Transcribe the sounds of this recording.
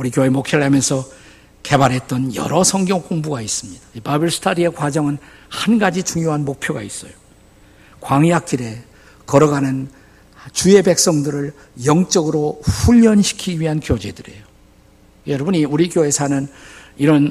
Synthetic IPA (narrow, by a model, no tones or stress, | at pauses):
uɾiɡjoe̞mokʰjʌɭɦamjʌnsʰʌ | ke̞baɾɦe̞t̚t͈ʌnjʌ̰ɾʌsʰʌŋɡjʌŋk͈oŋbuɡais͈ɯmɲid̥aipabɯɭsʰɯ̥tʰaɾie̞kwad͡ʑʌŋɯnhanɡad͡ʑit͡ɕuŋjoɦanmok̚pʰjoɡais͈ʌjo | kwaŋiak̚t͈iɾe̞ | kʌɾʌɡanɯn | t͡ɕue̞be̞k̚s͈ʌŋdɯɾɯɭ | jʌŋt͡ɕ͈ʌɡɯɾoɸuʎːʌnɕʰi̥kʰiɥiɦankjod͡ʑedɯɾe̞̰jo | jʌɾʌbɯniuɾiɡjoe̞sʰanɯniɾʌn